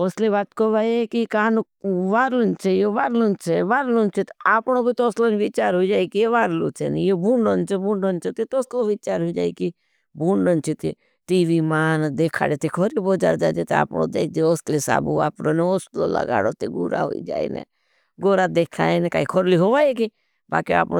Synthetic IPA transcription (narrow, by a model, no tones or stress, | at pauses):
oːsliβaːt̪koʋaːekikaanu | ʋaːɾont͡ʃʰejoʋaːɾlont͡ʃʰeʋaːɾlont͡ʃʰet̪aːpɳobit̪oːslonʋit͡ʃaːɾɦoid͡ʒaːikijeʋaːɾlo̰t͡ʃʰḛnijobʱuɳɖont͡ʃʰebũːɳɖont͡ʃʰet̪it̪oːsloʋit͡ʃaːɾɦoid͡ʒaːiki | buːɳɖənt͡ʃʰet̪ḭ | ʈiːʋimaːnd̪eːkʰa̰ːɽet̪ikʰoɾiboːd͡ʒa̰ːɾd͡ʒaːd͡ʒet̪a̰ːpno̰ːd̪ḛːk̚ʰd͡ʒeoːsʈlisa̰ːbua̰ːpɽoneoːstlo̰lə̰ɡa̰ːɽot̪eɡṵɾa̰ɦo̰ḭd͡ʒa̰ːḭnḛ | ɡoːɾad̪eːkʰaeneka̰ːikʰoɾliɦoːʋaːeki | ba̰ːkia̰ːpno